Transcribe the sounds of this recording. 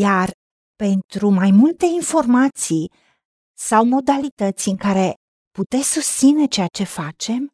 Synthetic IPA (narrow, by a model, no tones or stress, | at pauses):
jar | pe̞nt̪ɾumajmult̪e̞info̞rmat̪si | sawmo̞d̪alit̪ət̪sʲɨŋkaɾe̞ | put̪e̞sʲsust̪sine̞t͡ʃe̞jat͡ʃe̞fat͡ʃe̞m